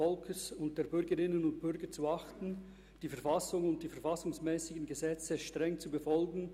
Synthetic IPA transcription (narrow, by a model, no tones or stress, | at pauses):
ɔlkʰəsʊnt̚d̥eːɐbʏɾɡəʁɪnənʊnt̚b̥ʏʁɡət͡suɑχtn̩ | d̥iːfɛɐfɑsʊŋʊnt̚d̥iːfɛɐfɑsʊŋsmɛːsɪɡən̩ɡəzɛt͡səʃtʁ̥ɛŋt͡subəfɔlɡn̩